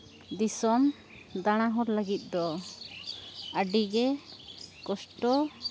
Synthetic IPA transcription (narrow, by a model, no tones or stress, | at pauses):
d̪isɔm | d̪aɽ̃aɦɔɾləɡit̪̚ˀd̪ɔ | əɖiɡɛ | kɔsʈɔ